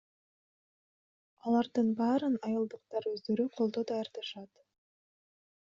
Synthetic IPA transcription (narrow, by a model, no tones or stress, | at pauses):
ɑlˠɑɾd̪ɯnbɑːɾɯnɑjɯlˠd̪ɯq̚t̪ɑɾøzd̪ø̞ɾyqʰo̞lˠd̪o̞d̪ɑjɑɾd̪ɑʃɑt̪